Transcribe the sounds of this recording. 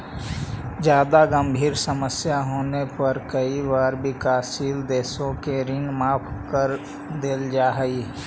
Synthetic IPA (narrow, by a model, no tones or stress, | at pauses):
d͡ʒjaːd̪aɡə̃mbʱiːɾsəməsjaɦoːnepəɾkəiwaːɾbʱikaːsiːld̪eːsõkeɾɪ̃ŋɡmaːpʰkəɾ | d̪eld͡ʒaːɦi